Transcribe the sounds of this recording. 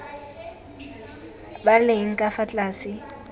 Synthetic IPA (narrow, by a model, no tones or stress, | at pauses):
baleŋ̩kʼafat͡ɬʼaːsɪ